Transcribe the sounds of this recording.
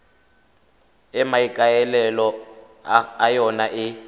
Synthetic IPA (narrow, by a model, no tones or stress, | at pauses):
ɛmaikʼajɛlɛlɔ | ajɔnaʔɪ